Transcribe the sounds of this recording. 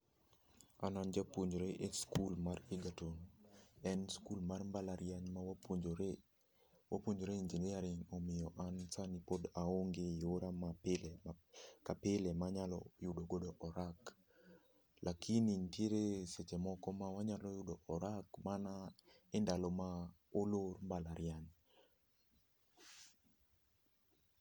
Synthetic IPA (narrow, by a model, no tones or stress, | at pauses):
a̰nand͡ʒapwoɲd͡ʒoɾeʔeskulmariɡatonɛnskulmarmbalaɾjaɲmawapd͡ʒ | wʔa̰pwoɲd͡ʒoɾeiɲd͡ʒenɪjaɾɪŋɔmɪjɔʔansanipodaoŋɡejoɾamapɪl | kapɪlɛmaɲalɔ̰jʊdoɡodoʔɔɾak | lʔakʰinintjeɾeset͡ʃemɔkɔmawaɲalɔjʊdoʔɔɾakmanaɪndalɔma | olormbalaɾjaɲ